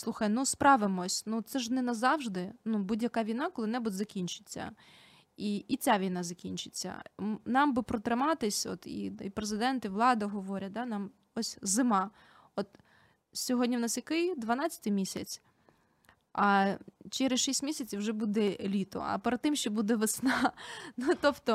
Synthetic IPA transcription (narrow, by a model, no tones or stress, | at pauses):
slˠuxɐjnuspɾɑʋɪmɔsʲnut̪sɛʒnɛnɐzɑwʒd̪ɪnubudʲjɐkɑʋʲijnɑkɔlˠɪnɛbʊtʲzɐkʲinʲt͡ʃɪ̥t͡sʲːɐ̰ | iit͡sʲaʋʲijnɑzɐkʲinʲt͡ʃɪ̥t͡sʲːɐ̰nɑmbɨpɾɔt̪ɾɪmɑt̪ɪsʲɔ̰t̪ḭipɾezɪd̪ɛnt̪ɪʋlˠɑd̪ɐɦɔʋɔɾʲɐt̚ʲd̪ɑnɑm | ɔsʲzɪmɑ | ɔt̪ | sʲɔɦɔdʲnʲiʋnɑsjɐkɪjd̪ʋɐnɑt͡sʲɐ̥t̪ɪjmʲisʲɐt͡sʲ | ɐt͡ʃɛɾɪsʃisʲtʲmʲisʲɐt͡sʲiwʒɛbud̪ɛlʲit̪ɔ̰ɐ̰peɾed̪̚t̪ɪmʃt͡ʃɔbud̪ɛʋɪsnɑnut̪ɔpt̪ɔ